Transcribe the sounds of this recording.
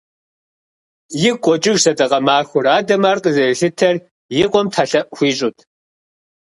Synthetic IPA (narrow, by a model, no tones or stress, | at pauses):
jɪkʷʼɔt͡ʃʼɪɣsɐtʼɐqʼɐmaːxʷʊɾaːdɐmaːrqʼəzɐjɬɨtʰɐr | jɪqʷʼɔmtʰaːɬɐʔxʷiːɕʼʊtʰ